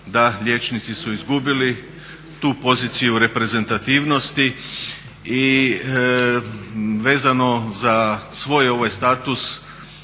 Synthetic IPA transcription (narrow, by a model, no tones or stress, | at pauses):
d̪aʎʲe̞t͡ʃnit̪sisuizɡubili | t̪uːpo̞ziːt̪sijuɾe̞pɾe̞ze̞nt̪at̪iːʋno̞st̪i | i | ʋe̞ːzano̞zasʋo̞ːjo̞ʋajst̪aːt̪us